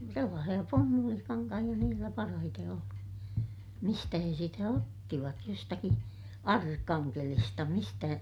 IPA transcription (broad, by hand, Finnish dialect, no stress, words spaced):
selːɑːsij̆ɑ pumːulikɑŋkɑhij̆ɑ niːlːæ pɑrɑhite oli mistæ he sitæ otːiʋɑt jostɑki ɑrkːɑŋkelistɑ mistæ